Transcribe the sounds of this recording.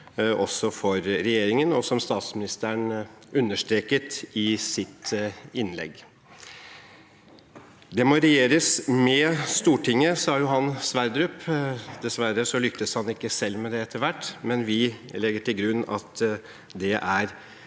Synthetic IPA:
ʔɔsːɔfɔɾɾɛjeːɾɪŋənɔsɔmst̪ɑːt̪smɪnɪst̪əɳ | ʉnːəʂt̪ɾeːkət̪ɪsɪt̪ɪnlɛ̰ɡː | d̪ɛmoɾɛjeːɾəsmɛst̪uːʈʰɪŋːəsɑːjʊɦɑnsʋæɾd̪ɾʉːpd̪ɛsʋæɾəsɔlʏk̚t̪əshɑnɪkːəsɛlːmɛd̪ɛɛt̪ːəɾʋæʈːmɛnʋɪlɛɡːəʈʰɪlɡɾʉnːɑ̰t̪ | d̪ɛʔæɾ

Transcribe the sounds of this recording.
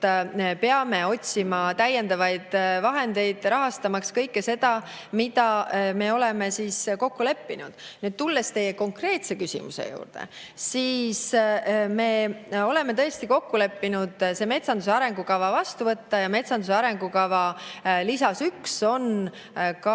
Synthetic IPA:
peɑme̞o̞tʲsimɑt̪æjːe̞nd̪ɑvɑjd̪̥vɑɦe̞nd̪e̞jd̪̥ɾɑɦɑst̪ɑmɑkskɤjkːese̞d̪̥ɑ | mid̪ɑme̞o̞leme̞siːsko̞kːule̞pːinud̪̥nyːd̪̥̚t̪ulːest̪e̞jːeko̞ŋkre̞ːt̪se̞kysʲḭmṵsḛjṵːrd̪̥ḛ | siːsme̞ːo̞le̞met̪ɤ̞est̪iko̞kːule̞pːinud̪̥seme̞t̪sɑnd̪useɑɾe̞ŋɡ̥ukɑvɑvɑst̪uvɤt̪ːɑjɑme̞t̪sɑnd̪useɑɾe̞ŋɡ̥ukɑvɑlisɑsykso̞n | kɑ

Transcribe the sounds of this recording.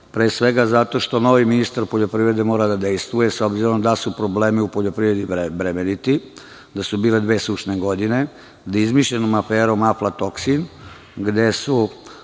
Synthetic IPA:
pɾeːsʋe̞ɡazat̪o̞ʃt̪o̞no̞ʋiminist̪aɾpoʎo̞pɾiːʋɾe̞d̪e̞mo̞ːɾad̪ad̪e̞jst̪ʋujesobziɾond̪asupɾoble̞ːmiupo̞ʎopɾiːʋɾed̪ibɾemenit̪i | d̪asubiːle̞d̪ʋe̞ːsuʃneɡo̞d̪ine̞ | d̪aizmiʃʎenomafeːɾo̞maflˠat̪o̞ksin | ɡd̪e̞su

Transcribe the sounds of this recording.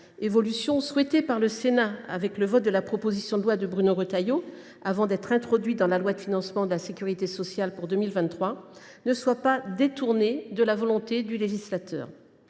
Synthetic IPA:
evɔlysjɔ̃swɛt̪epaʁləsenaa̰vɛkləvɔt̪̚d̪əlapχɔpozisjɔ̃d̪əlwad̪əbʁynoʁət̪ajo | avɑ̃d̪ɛt̪χɛ̃t̪χɔd̪ɥit̪̚d̪ɑ̃lalwad̪əfinɑ̃smɑ̃d̪əlasekʲyʁit̪esɔsjalpuʁd̪ømilvɛ̃nt̪χwa | nəswapad̪et̪uʁned̪əlavɔlɔ̃t̪ed̪yleʒislat̪œ̰ːʁ

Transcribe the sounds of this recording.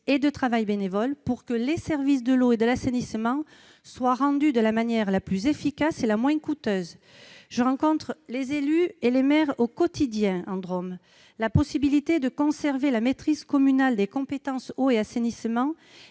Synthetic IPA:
ed̪ət̪χavajbenevɔlpuʁkəlesɛʁvis̬d̪əloed̪əlasenismɑ̃ | swaʁɑ̃d̪yd̪əlamanjɛʁlaplyzefikaselamwɛ̃kut̪øz | ʒəʁɑ̃kɔ̃t̪χəlezelyelemɛʁokɔt̪ʰid̪jɛ̃ɑ̃d̪ʁɔm | lapɔsibilit̪ed̪əkɔ̃sɛʁvelamet̪χizkɔmynald̪ekɔ̃pet̪ɑ̃soeasenismɑ̃

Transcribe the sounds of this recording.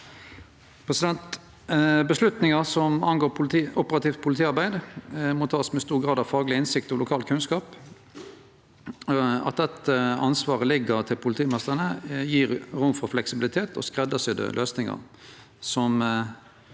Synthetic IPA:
pʰʁɛsɪd̪ɛnt̪ | bəslʉt̪nɪŋəʁsɔmɑnɡoːɾɔpəɾɑt̪iːft̪̚pʰʊlɪt̪ʰiːɑɾbæɪd̪mɔt̪ʰɑːsmɛst̪uːʁɡʁɑːd̪ɑʋfɑːɡlɪɪnsɪkt̪ɔlʊkʰɑːlkʰʉnskɑːp | ɑ̰t̪̚d̪ɛt̪ːəɑnsʋɑːʁəlɪɡəʁt̪ʰɪlpʰʊlɪt̪ʰiːmɛst̪əʁənəjiːɾʁʊmfɔʁflɛksɪbɪlɪt̪ʰeːt̪ʰɔ̰skʁɛd̪əsɪd̪ɛ̰lʔøːsnɪŋɑ̰ʁ | sɔm

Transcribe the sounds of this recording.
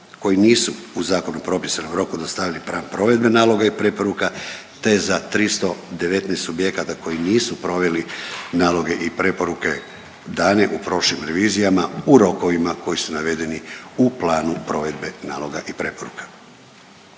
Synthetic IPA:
ko̞jiniːsuuzaːko̞nupɾo̞pisanomɾo̞kud̪ast̪aʋilipɾaːnpɾo̞ʋe̞d̪be̞naːlˠo̞ɡaipɾe̞po̞ɾuka | t̪e̞zat̪ɾist̪o̞d̪e̞ʋe̞t̪neːst̪obje̞kat̪ako̞jiniːsupɾo̞ʋe̞linaːlo̞ɡe̞ʔipɾe̞po̞ɾuke̞ | d̪aːne̞ʔupɾo̞ʃlimɾe̞ʋiːzijamauɾo̞ko̞ʋimako̞jisunaʋe̞d̪e̞niuplˠaːnupɾo̞ʋe̞d̪be̞naːlo̞ɡaʔipɾe̞poɾṵkʰḁ

